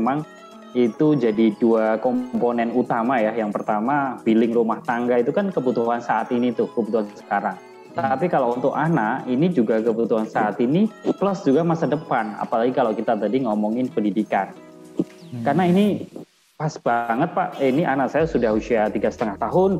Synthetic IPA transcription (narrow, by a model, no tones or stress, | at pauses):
emaŋ | it̪ud͡ʒadiduakɔmponɛnut̪amajajaŋpərt̪amabilɪŋrumaht̪aŋɡait̪ukankəbut̪uɦansaat̪init̪ʊhkəbut̪uɦansə̥kaɾaŋ | t̪apikalaunt̪ʊkanaʔinid͡ʒuɡakəbut̪uɦansaat̪iniplɔsd͡ʒuɡamasadəpana̰palaɡikalakit̪at̪adiŋɔmɔŋɪnpəndidikan | karnaini | pasbaŋət̪̚paʔiniʔanaksajasudahusiat̪iɡasə̥t̪əŋaht̪aɦʊn